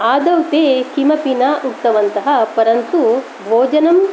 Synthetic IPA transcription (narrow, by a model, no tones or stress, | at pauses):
aːd̪ɐwt̪eːkimɐpinɐʔut̪ːɐʋɐnt̪ɐɦɐpɐɾɐnt̪u | bʱoːd͡ʒɐnɐm